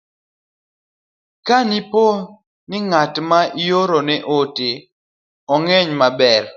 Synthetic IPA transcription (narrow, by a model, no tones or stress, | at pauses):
kanipo | nɪŋatmaijoɾonɛʔote | ɔŋɛɲmabɛɾ